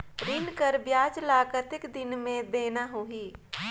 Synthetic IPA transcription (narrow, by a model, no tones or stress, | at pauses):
ɾɪnkəɾbjaːd͡ʒlaːkət̪ɪkd̪ɪnmẽbeːnaɦuɦiː